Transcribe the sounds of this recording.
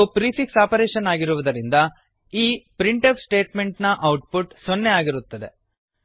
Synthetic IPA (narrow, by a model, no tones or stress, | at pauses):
pɾifiksaːpɐɾeːʃɐnaːɡiɾuʋɐd̪ɐɾind̪ɐ | iːpɾiɳʈɐpsʈe̞ːʈme̞ɳʈnɐʔɐwʈ̚puʈsonːeaːɡiɾut̪ːɐd̪e̞̰